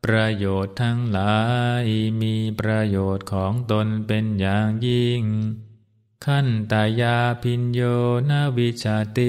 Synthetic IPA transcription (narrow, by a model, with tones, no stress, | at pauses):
pɾa˧joː˨˩t̪ʰːa˦˧˥ŋlaː˩˦jmiː˧pɾa˧joː˨˩t̪̚kʰɔː˩˦ŋt̪o˧npe˧njaː˨˩ŋji˧˩ŋ | kʰa˥˩nt̪aː˨˧˩jaː˧pʰi˧njoː˧na˥˩˨wi˦˥t͡ɕʰaː˧t̪i˧